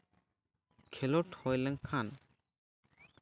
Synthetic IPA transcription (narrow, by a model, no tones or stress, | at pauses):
kʰɛlɔʈʰhɔjlɛŋkʰan